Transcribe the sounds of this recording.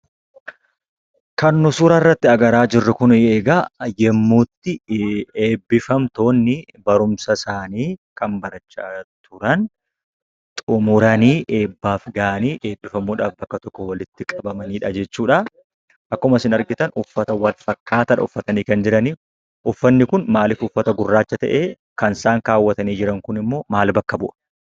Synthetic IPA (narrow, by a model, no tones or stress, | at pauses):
kɐnːʊsʊɾɐrːɐt̪ːɪɐɡɐɾaːd͡ʒɪrːʊkʊneːɡaːjɛmːuːt̪ːɪe̞ːbːɪfɐmt̪o̞ːnːɪ | bɐɾʊmsɐsaːniːkʰɐmbɐɾɐt͡ʃːat̪ʰʊɾɐn | t̪ʼʊmʊɾɐniːʔe̞ːbːaːfɡaːʔniːʔe̞ːbːɪfɐmuːᶑaːfbɐkːɐt̪ɔkːɔwɐlɪt̪ːɪkʼɐbɐmɐniːᶑɐd͡ʒɛt͡ʃːuːᶑa | ʔɐkːɐʊmɐsɪnɐɾɡɪt̪ɐnʊfːɐt̪ɐwɐlfɐkːaːt̪ɐᶑɐ̰ʊfːɐt̪ɐniːkɐnd͡ʒɪɾɐni | ʔʊfːɐnːɪkʊnmaːlɪfʊfːɐt̪ɐɡʊrːaːt͡ʃːɐt̪ɐ̰ʔeː | kɐnsaːŋkaːwːɐt̪ɐniːd͡ʒɪɾɐŋkʊnɪmːo̞ːmaːlbɐkːɐbʊʔɐ̥